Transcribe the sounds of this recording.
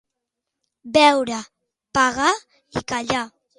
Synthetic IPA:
bɛwɾa | paɣa | ikaʎa

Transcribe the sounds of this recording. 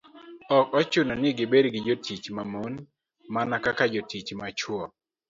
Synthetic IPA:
ɔkɔt͡ʃʊnɔnɪɡɪbedɡɪd͡ʒotʰit͡ʃmamon | manakakad͡ʒotit͡ʃmat͡ʃwɔ

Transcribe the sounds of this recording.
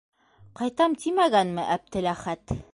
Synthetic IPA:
qɑjt̪ɑmt̪imæɡænmɘʔæp̚t̪ɘ̆læχæt̪

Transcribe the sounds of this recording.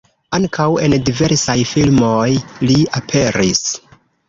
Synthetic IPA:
aŋkʰawe̞ndive̞ɾsajfilmojliapʰe̞ɾis

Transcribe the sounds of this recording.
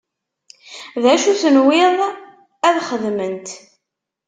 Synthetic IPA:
ðæʃuθənwɪðˤ | æðχəðmənt̪

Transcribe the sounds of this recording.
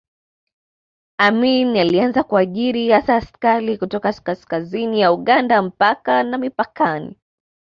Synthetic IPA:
aminalianzakuaʄiɾihasaːskaɾikutɔkaskaskazinijauɠandam̩pakanamipakanḭ

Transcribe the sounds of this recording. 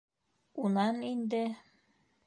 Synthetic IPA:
unɑnind̪ɘ

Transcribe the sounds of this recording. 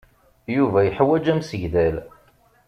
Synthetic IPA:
juvæjəħwæd͡ʒæmsəʝðæl

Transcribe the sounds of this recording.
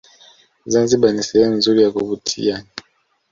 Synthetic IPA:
zanzibanisɛjanzulijakoβutʰḭjani

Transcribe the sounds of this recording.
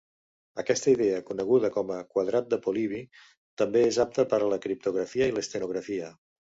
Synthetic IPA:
əkɛst̪əiðeəkunəɣ̞uðəkɔməkwəðɾat̪̚d̪əpuliβ̞i | t̪əmbeezap̚t̪əpəɾələkɾip̚t̪uɣɾəfiəiləst̪ənuɣ̞ɾəfiə

